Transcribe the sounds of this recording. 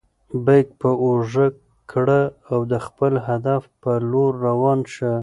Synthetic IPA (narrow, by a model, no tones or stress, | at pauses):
bajk̚pəoʒəkː | ɽəawd̪əxpəlɦad̪afpəloɾːawɑnʃə